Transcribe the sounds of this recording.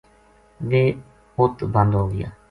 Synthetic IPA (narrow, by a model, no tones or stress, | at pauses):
ʋeː | hot̪bə̃nd̪ɦoːɡɪja̰ː